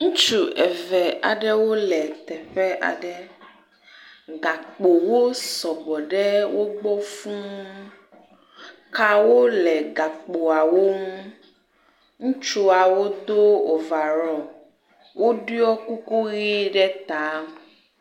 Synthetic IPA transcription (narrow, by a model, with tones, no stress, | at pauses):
ŋũ˦t͡ʃu˨ɛ˨vɛ˨a̰˨ɖɛ˦wo˦lɛ˨t̪ɛ˨ɸɛ˦ʔa̰˨ɖɛ˦ | ɡa˨k͡po˨wo˦sɔ˨bɔ˨ɖɛ˦wo˦ɡ͡bɔ˦fũ˦ | ka˦wo˦lɛ˨ɡa˨k͡po˨a˨wo˦m˦ | ŋũ˦t͡ʃu˨a˨wo˦d̪o˦o˨va˨ɾɔ˨ | wʔo˦ɖi˦ɔ˦ku˦ku˦ɣi˦ɖɛ˦t̪a˨˦